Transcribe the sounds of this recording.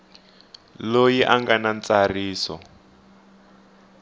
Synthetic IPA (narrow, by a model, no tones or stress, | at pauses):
lojiʔaŋɡanant͡sariːsɔ̰